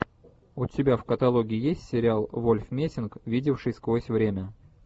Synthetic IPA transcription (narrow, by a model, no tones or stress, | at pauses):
ʊtʲɪbʲafkət̪ɐlˠoɡʲɪːjesʲtʲsʲɪɾʲɪalˠvolʲfmʲesʲɪnkvʲidʲɪfʂɨjskosʲvɾʲemʲə